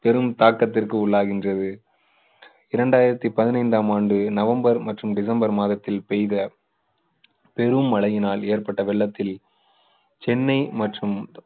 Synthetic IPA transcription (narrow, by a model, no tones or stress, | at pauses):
pɛɾɯmt̪aːkːɐt̪ːɪrkɯʊɭːaːɣɪndrɐðɯ | ɪɾɐɳɖaːjɪɾɐt̪ːipɐðɪnɐɪnd̪aːmaːɳɖɯnɐʋɐmbɐɾmɐʈrɯmɖɪs̬ɐmbɐɾmaːðɐt̪ːɪlpɛjðɐ | pɛɾɯmːɐɭɐjɪnaːleːɾpɐʈːɐʋɛɭːɐt̪ːɪl | t͡ʃɛnːɐɪmɐʈrɯm